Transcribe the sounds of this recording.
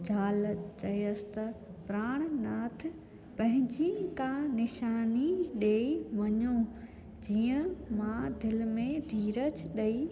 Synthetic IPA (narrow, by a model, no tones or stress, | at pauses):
d͡ʑʱaːlt͡ɕɐjəsɪ̥t̪ɐpɾaːɽ̃naːt̪ʰɪ | pɐ̃ɦɪ̃ɲd͡ʑikãnɪʃaːniɗeːiʋɐɲo | d͡ʑiːə̃mãd̪ɪlmẽd̪ʱiːɾət͡ɕɗɐiː